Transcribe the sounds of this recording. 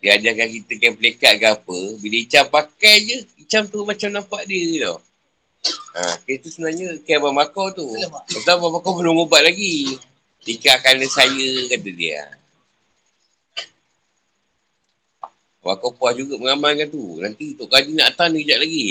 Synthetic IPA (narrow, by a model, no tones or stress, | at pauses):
diad͡ʒakakit̪əkajpəlekaʔ̚ɡapəbiləit͡ʃampakajd͡ʒəit͡ʃamt̪umat͡ʃamnampaʔdiədɔh | a̰kit̪usəbənaɲəkajbamakawt̪ualabamakawbəlumobaʔlaɡi | dikaʔkalnəsajəkat̪ədḭa̰ | ma̰kawpuahd͡ʒuɡaməŋamankant̪unant̪it̪oʔkad͡ʒinaʔt̪anəkəd͡ʒaʔlaɡi